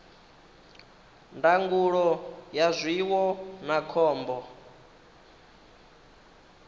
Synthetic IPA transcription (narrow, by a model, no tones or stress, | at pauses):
ndaŋɡuɺɔjazʷiwɔnakʰɔːmbɔ